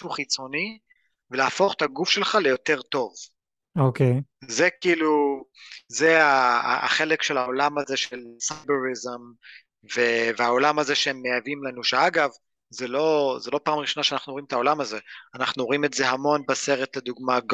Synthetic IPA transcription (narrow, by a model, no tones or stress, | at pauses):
uχit͡so̞ni | velaːfo̞χt̪aɡufʃe̞lχalejo̞te̞ʁt̪o̞v | okejzekiːlu | zea̰ːχe̞lekʃelao̞lamaze̞ʃelsabeʁizem | veveao̞lamazeʃeemːeavimlanuʃeaɡav | zelo̞zelo̞paːmʁiʃo̞naʃeanaχnuimet̪ao̞lamazeanaχnuoimetze̞ɦamo̞nbaseʁet̪led̪uɡmaɡ